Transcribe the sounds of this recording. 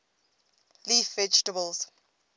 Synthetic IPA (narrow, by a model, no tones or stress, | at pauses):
liːfvɛd͡ʒtəbəls